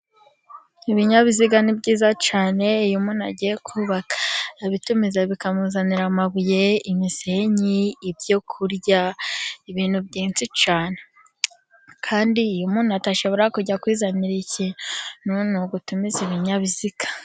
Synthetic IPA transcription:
iβiɲaβiziɡanibɟiːzat͡ʃaːne̞ijumuːna̰ɟijekʰuːβakḁβitumizaβikamuzaniɾamaβuje̞imiseɲiːbjo̞kʰuɾɟaiβiːn̥hubɟiːnt͡sit͡ʃaːne | kʰaːndiːjumuːnataʃo̞βo̞ɾakuɟakwiːzaniɾicenunuɡutumiziβiɲaβiziɡ̥ḁ

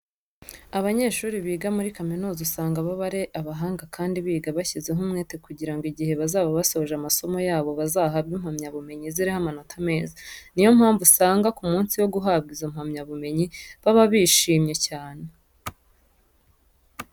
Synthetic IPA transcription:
aβaɲe̞ːʃuːɾiβiːɡamuɾikaminuːzasaːŋɡaβaβaɾeʔaβaɦaːŋɡakʰaːndiβiːɡaβaçizeɦumŋeːte̞kuɟiɾaŋɡiɟihe̞βazaːβaβasooʒamaso̞mo̞jaːβo̞βazaːɦaβɡiːm̥hamɲaβume̞ɲiziɾihamanotʰame̞ːzanijo̞m̥haːɱvusaːŋɡakumuːnsiwo̞ɡuɦabɡizom̥hamɲaβume̞ɲiβaβaβiːʃiːmɲe̞caːne̞

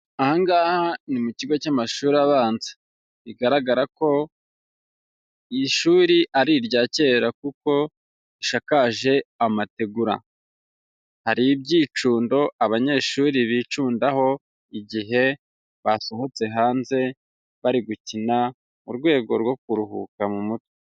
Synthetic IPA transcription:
ahaŋɡaːhanimuciɡo̞camaʃuːɾaβaːnze̥ | βiɡaɾaɡaɾako̞ | iʃuːɾiʔaɾiɾɟaːce̞ːɾakuko̞ | iʃakaʒe̞amate̞ɡuɾa̰ | haɾibɟiːt͡ʃuːndo̞ʔaβaɲe̞ʃuːɾiβiːt͡ʃuːndaho̞ | iɟiɦe̞ | βaso̞ho̞t͡se̞ɦaːnze̞ | βaɾiɡucina | mṵɾɡwe̞ːɡo̞̰ɾɡo̞kuɾuɦṵkamumute

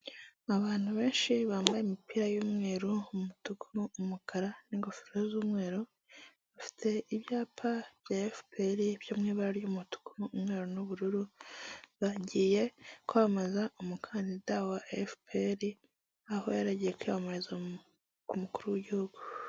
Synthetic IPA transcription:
aβaːn̥huβe̞ːnʃiβaːmbajemipiːɾajuːmŋe̞ːɾummutukʰuːmukʰaɾaniŋɡofi̥ɾozuːmŋe̞ːɾo | βafi̥tʰe̞iβjaːpʰaβjaːefpeɾiβ̥joːmŋiːβaɾaɾjumutu̥kʰuːmŋe̞ːɾonuβuɾuɾu | βaɟiːje̞kuamazaʔomukʰaːndidawaefpeɾi | ahojaɾaɟijekujaβamaɾeza | kumukuɾuwiɟihuɡ̥u

